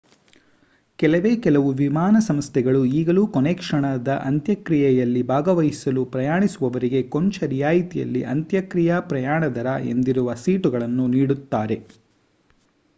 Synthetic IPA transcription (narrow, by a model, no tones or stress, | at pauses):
kɛlɐʋeːkɛlɐʋuʋimaːnɐsɐmst̪ʰɛɡɐɭuiːɡɐlukonekʂɐɳɐd̪ɐʔɐnt̪jɐkɾijɛjɐlːibʱaːɡɐʋɐjisɐlupɾɐjaːɳisuʋɐʋɐɾiɡe̞koɲt͡ʃɐɾijaːjit̪ijɐ̰lːḭʔɐnt̪jɐkɾijapɾɐjaːɳɐd̪ɐɾɐʔe̞̰nd̪iɾuʋɐsiːʈuɡɐɭɐnːuniːɽut̪ːaːɾe̞